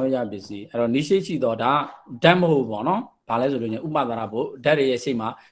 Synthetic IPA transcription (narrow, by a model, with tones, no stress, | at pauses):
ja̰˦˨pjɪ˦ʔsi˦ʔɛ˦˨ɾɔ˨ni˦ʃe˦ɪʔʃḭ˦˨d̪ɔ˦da˨˦˨dã˦ʔməɦo˦˨ʔpɔ̰˦˨nɔ˦b̥a˨lɛ˨˦s̬ʰo˨lo˦˨ʃɪ̃˨ṵ˦˨ma̰˦˨t̪a˨ɾa˨bo˦˨da˦ʔte˨jɛ˦˨ʃe˦ɪʔma˨